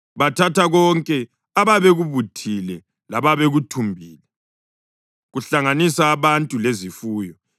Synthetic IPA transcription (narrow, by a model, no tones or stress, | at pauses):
βatʰatʰaɣɔŋkʼɛ | aβaβeɣuβutʰilɛ | laβaβeɣutʰumbʱiːlɛ | ɣuɬaŋanisaːβantʼulezifuːjɔ